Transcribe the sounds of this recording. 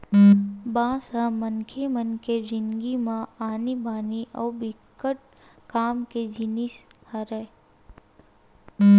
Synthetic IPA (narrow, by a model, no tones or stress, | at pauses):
bãːsɦəmənkʰemənked͡ʒɪnɡimãaːnibʱaːniʔɔːbɪkːəʈ̚ | kaːmked͡ʒɪnishəɾe